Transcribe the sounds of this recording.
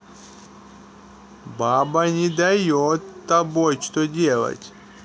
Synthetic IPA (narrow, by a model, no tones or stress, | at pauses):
babɐnʲɪd̪ajot̪ːɐbojt͡ʃt̪odʲelˠɐ̰tʲ